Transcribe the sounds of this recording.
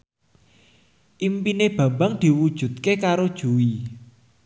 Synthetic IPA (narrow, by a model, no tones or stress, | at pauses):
ʔimpineb̥ä̤mbaŋd̪̥i̤wud̥ʒ̥ṳd̪̚kekaɾod̥ʒ̥uwi